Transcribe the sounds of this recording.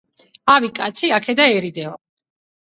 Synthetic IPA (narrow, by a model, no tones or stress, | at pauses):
avikʼat̪sʰiakʰɛd̪aɛɾid̪ɛɔ